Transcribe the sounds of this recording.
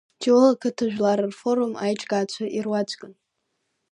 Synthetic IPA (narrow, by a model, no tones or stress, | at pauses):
tʰilakʰɨtʰɨʒᶣlaɾɨrfoɾumajʈ͡ʂʼɡaːt͡ɕʷʰaʔirwat͡ʃʷʰʼɡʼɨn